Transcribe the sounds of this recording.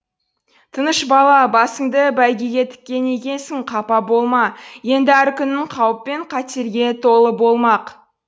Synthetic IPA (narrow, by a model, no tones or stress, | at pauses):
t̪ʰənəʃbɑlˠɑbɑsəŋd̪əbæjɡʲeɡʲe̞t̪ʰɪ̥kʲːe̞ne̞kʲe̞nsɪŋqʰɑpɑbo̞lˠmɑje̞nd̪ɪæɾkʲʰʏnːɪŋqʰɑwəpːe̞ɴqʰɑt̪eɾɡʲe̞t̪ʰo̞lˠəbo̞lˠmɑq